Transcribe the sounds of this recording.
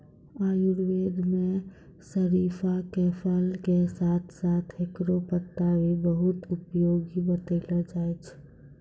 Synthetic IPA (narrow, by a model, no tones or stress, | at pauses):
ajuɾʋed̪me | səɾipʰakepʰəlkesat̪ʰsat̪ʰekɾopət̪ːawibəɦut̪upjoɡibət̪ələd͡ʒajt͡ʃʰ